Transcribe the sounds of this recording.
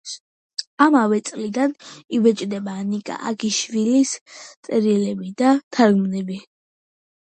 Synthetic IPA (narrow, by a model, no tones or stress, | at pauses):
amavɛt̪sʼlid̪anivɛt͡ʃʼd̪ɛbanikʼa̰ʔaɡiʃvilist̪sʼɛɾilɛbid̪at̪ʰaɾɡmnɛbi